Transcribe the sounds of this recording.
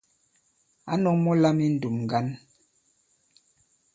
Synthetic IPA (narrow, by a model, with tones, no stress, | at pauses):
a̰˦nɔ˦ŋmɔ˦la˦mi˦n̩˨du˨mŋ˨ɡa˦n